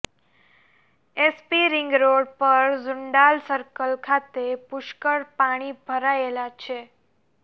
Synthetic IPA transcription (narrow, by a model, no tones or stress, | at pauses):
espiɾɪŋɡɾoɽpəɾzʊɳɖalsəɾkəlkʰat̪epʊʃkəɾpaɽ̃ibʱəɾaelat͡ʃʰe